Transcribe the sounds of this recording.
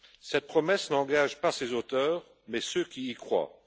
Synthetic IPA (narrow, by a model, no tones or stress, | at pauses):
sɛt̪̚pχɔmɛsnɑ̃ɡaʒpasezot̪œːʁ | mɛsøkʲiːkχwa̰